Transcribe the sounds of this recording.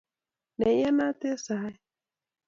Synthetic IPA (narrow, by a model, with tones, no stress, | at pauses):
nɛ˨jɛ˦na˦tɛ˦sa˨˦ɛ˦